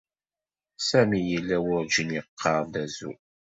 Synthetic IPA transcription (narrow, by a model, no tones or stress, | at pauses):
sæmijəlːæwʊɾd͡ʒəniqʰːɑɾˤðæzṵ